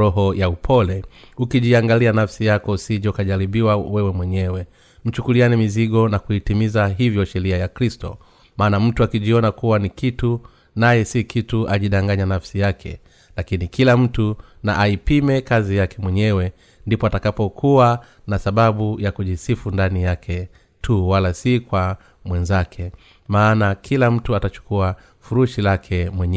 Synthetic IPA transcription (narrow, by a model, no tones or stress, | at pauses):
ɔɦɔjaupʰɔlɛ | ukiʄiaŋɡalianafsijakɔusiʄɔkaʄaɾiɓiwawɛwɛmwɛɲɛwɛ | m̩t͡ʃukulianɛmiziɠɔnakuitimizaɦivjɔʃɛɾiajakɾistɔ̰ | maːnam̩tuakiʄiɔnakuwanikitu | najɛsikʰituʔaʄiɗaŋɡaɲanafsijakʰɛ̰ | lakinikilam̩tunaʔaipimɛkazijakɛmwɛɲɛwɛ | ndipɔatakapɔkʰua | nasaɓaɓujakuʄisifundanijakʰɛ | tʰuwalasikwa | mwɛnzakʰɛ | maːnakʰilam̩tuatat͡ʃu̥kua | fuɾuʃilakʰɛmwɛɲɛ